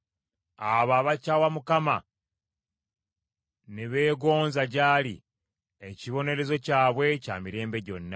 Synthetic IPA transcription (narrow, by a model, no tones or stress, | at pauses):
aβaβacawamukama | neβe̞ːɡo̞ːnzaɟaːlḭ | eciβo̞ne̞ɾe̞zo̞caːβwe̞ca̰ːmiɾe̞ːmbe̞ɟo̞̰nːa